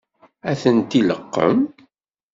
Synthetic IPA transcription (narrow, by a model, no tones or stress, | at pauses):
æθənt̪iləqːə̰m